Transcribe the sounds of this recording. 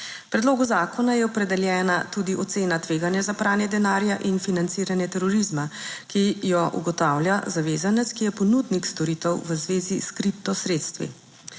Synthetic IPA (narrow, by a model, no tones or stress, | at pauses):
pɾɛd̪loːɡuzaːkɔnajɛɔpɾɛd̪ɛljɛːnat̪ud̪iʔɔt̪seːnat̪ʋeːɡanjɛzapɾaːnjɛd̪ɛnaːɾjaʔinfinant̪siːɾanjɛt̪ɛɾɔɾizmakijɔʔṵɡɔt̪awljazaʋeːzanɛt̪skijɛpɔnud̪nikst̪ɔɾiːt̪ɛwʋəzʋeːziskɾipt̪ɔsɾeːt̪st̪ʋḭ